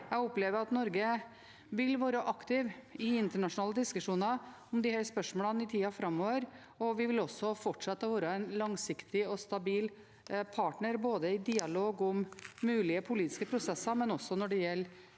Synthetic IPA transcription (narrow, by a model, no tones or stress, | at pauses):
jæɔpleːʋəɾɑt̪nɔɾɡə | ʋɪlʋɑːɾəʔɑkt̪ɪʋɪɪnt̪əɳɑʂʊnɑːləd̪ɪskʉʂuːnɑ | ɔmd̪ɪhæɾspœʂmoːlɑnɪt̪ʰiːɑfɾɑmːoːʋəɾ | ɔʋɪʋɪlɔsːɔfɔʈʂɑt̪ːəʋɑːɾəɛnlɑŋsɪkt̪ɪɔst̪ɑbiːl | pʰɑːʈɳəɾboːd̪əɪd̪iːɑloːɡʊmːʉːlɪəpʰʊliːt̪ɪ̥skəpʰɾʊsɛsːɑɾmɛnɔsːɔnɔɖɛjɛlː